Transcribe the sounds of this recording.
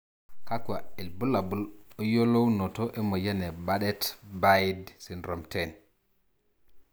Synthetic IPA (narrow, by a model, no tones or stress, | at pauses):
kakwaɛlbulabulɔjolownɔtɔʔɛmɔjanɛbaɗɛtbajdsinɾɔmtɛn